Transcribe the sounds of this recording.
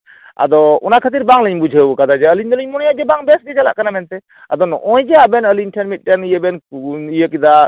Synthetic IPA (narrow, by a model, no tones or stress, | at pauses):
a̰d̪ɔɔnakʰat̪̬iɾbaŋləɲbud͡ʒʱəbukad̪ad͡ʒɛəliɲd̪ɔliɲmɔnjad͡ʒɛbaŋbɛsɡɛd͡ʒala̰ʔkanamɛnt̪ɛ | ad̪ɔnɔ̰ʔɔjd͡ʒɛabɛnəlinʈʰɛnmit̪̚ˀʈɛnijəbɛnkunijəkid̪a